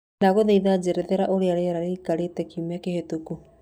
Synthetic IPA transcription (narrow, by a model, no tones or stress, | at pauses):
daɣoðeiðad͡ʒeɾɛðeɾaʔoɾeaɾeaɾaɾekaɾetɛkimakehetuku